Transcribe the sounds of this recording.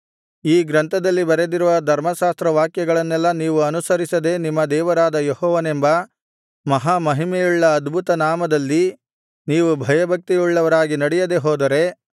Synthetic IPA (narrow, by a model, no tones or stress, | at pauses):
iːɡɾɐnt̪ʰɐd̪ɐlːibɐɾed̪iɾuʋɐd̪ʱɐɾmɐʃaːst̪ɾɐʋaːkjɐɡɐɭɐnːɛlːɐniːʋuɐnusɐɾisɐd̪e̞nimːɐd̪ɛːʋɐɾaːd̪ɐjehɔːʋɐnembɐ | mɐɦaːmɐɦimejuɭːɐːd̪bʱut̪ɐnaːmɐd̪ɐlːi | niːʋubʱɐjɐbʱɐk̚t̪iuɭːɐʋɐɾaːɡinɐɽɛjɐd̪e̞ɦɔːd̪ɐɾe̞